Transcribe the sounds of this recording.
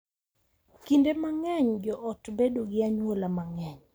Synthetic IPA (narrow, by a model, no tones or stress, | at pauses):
kindemaŋɛɲd͡ʒɔʔɔtbedoɡɪaɲwolamaŋɛɲ